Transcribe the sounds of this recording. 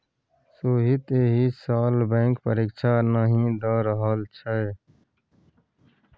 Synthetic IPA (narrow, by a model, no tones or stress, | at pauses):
soːɦit̪eɦisaːlbẽːŋkpəɾiːkt͡ʃʰaːnaːɦĩːd̪aːɾəɦaːlt͡ʃʰə